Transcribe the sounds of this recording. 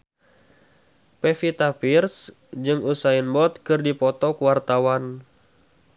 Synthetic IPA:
pɛfit̪apirs | d͡ʒɨŋusainbɔt̪̚kɨrdipɔt̪ɔkuwart̪awan

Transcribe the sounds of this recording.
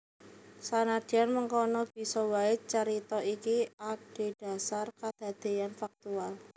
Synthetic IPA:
sanad̥ianməŋkɔnɔb̥i̤sɔwaɪt͡ʃəɾit̪ɔikiaɖ̥e̤ɖ̥a̤sarkad̪̥a̤d̪̥e̤janfak̚t̪ual

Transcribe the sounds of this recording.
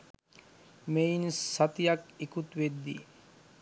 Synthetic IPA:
meinsat̪ijakikut̪ʋed̪ːḭ

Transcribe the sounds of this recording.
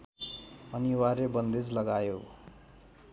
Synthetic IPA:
ʌniwaɾebʌnd̪ed͡zlʌɡajo

